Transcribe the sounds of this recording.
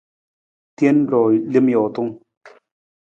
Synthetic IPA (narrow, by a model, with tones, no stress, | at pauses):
tje˦n˦lɔ˨le˦mjɔ˨t̪u˦ŋ